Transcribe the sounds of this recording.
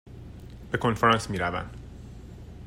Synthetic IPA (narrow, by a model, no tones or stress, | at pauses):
b̥e̞kʰo̞nfɾɑːnsmiːɾævæ̰nd̪̥